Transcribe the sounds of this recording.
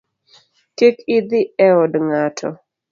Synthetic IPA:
kekɪd̪ɪɛɔdŋatʰɔ̰

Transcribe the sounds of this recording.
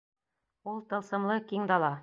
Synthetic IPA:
ulˠt̪ɤ̆lˠsɤ̆mlˠɤkiŋd̪ɑlˠɑ

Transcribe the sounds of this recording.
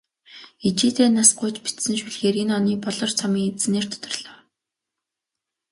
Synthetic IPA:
it͡ɕiːt̪ʰeːnasɢʊjt͡ɕpi̥t̪sɘ̆nʃuɮxeːɾinɔniːpɔɮɞ̆rt͡sʰɔmiːt͡sneːr̥t̪ʰʊ̥t̪ɞ̆rɮ̥aːw

